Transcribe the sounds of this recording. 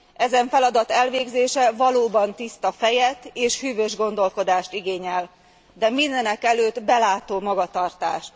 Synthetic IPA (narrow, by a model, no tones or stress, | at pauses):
ʔɛzɛɱfɛlɒd̪ɒt̪ɛlveːɡzeːʃɛvɒloːbɒnt̪ist̪ɒfɛjɛt̪eːʃhyːvøːʒɡo̞nd̪o̞lko̞d̪aːʃt̪iɡeːɲɛl | d̪ɛmind̪ɛnɛkɛløːd̪bɛlaːt̪oːmɒɡɒt̪ɒrt̪a̰ːʃt̪